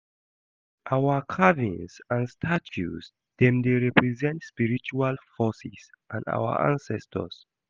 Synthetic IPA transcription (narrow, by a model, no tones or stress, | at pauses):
ʔawakʰavĩnsãnstʰat͡ʃṵs | dɛ̃mdeɹɛpɹizɛ̃ntspiɹit͡ʃualfɔsisʔãnda̰wə̰ʔã̰nsɛstʰə̰s